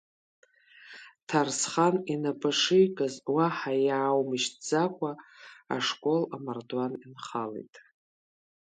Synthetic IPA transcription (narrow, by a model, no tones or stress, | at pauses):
tʰarsχaninabaʂɨjkʼazwaħajaːwmɨʃtd͡zakʷʰʼaa̰ʂkʼo̞lamardwaninχalḛjtʼ